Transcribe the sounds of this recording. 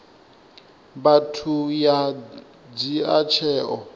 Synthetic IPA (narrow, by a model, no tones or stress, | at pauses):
batʰuja | d͡ziat͡ʃʰɛːʔɔ